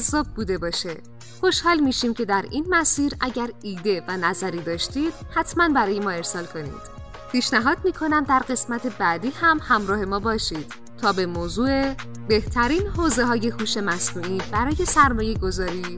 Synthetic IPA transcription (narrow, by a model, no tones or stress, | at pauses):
zːɒːb̚buːd̪e̞bɒːʃe | xo̞ʃhɒːlmiːʃiːmcʰe̞d̪æɾʔiːnmæsiːɾʔæɟæɾiːd̪e̞vænæzæɾiːd̪ɒːʃt̪id̪̥hæt̪ʰmænbæɾɒːje̞mɒːe̞ɾsɒːlkʰo̞nḭːd̪̥ | pʰiːʃnæɦɒːd̪̚miːkʰo̞næmd̪æɾɢe̞smæt̪ʰe̞bæːd̪iːhæmhæmɾɒːhe̞mɒːbɒːʃiːd̪̥ | t̪ʰɒːbe̞moːzuːe̞ | be̞ht̪ʰæɾiːnɦoːze̞ɦɒːje̞huːʃe̞mæsnuːʔiːbæɾɒːje̞sæɾmɒːje̞ɡo̞zɒːɾiː